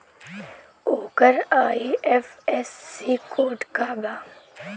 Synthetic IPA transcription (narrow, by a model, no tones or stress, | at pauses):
oːkəɾaːiɛfɛsːiːkoːʈkaːbaː